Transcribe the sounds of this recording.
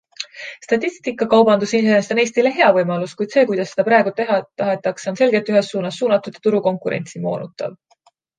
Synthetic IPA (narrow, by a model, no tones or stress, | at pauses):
st̪ɑt̪ʲːˑist̪ikːˑɑkɑwbɑnd̪usineest̪one̞ːst̪ile̞ɦe̞ɑvɤjmɑluskujd̪se̞ːkujd̪̥ɑsːe̞d̪ɑpɾɑˑe̞ɡut̪e̞ɦɑt̪ɑɦe̞t̪ːˑɑkso̞nse̞lɡe̞t̪ːˑyɦe̞sːuːnɑsːuːnɑt̪ːˑud̪̥ɑt̪uɾuko̞ŋkuɾḛnʲt̪simo̞̰ːnut̪ːˑɑ̰v